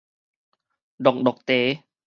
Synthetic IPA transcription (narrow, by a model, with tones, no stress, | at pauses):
dɔ˨˩k̚dɔ˨˩k̚t̪eː˨˦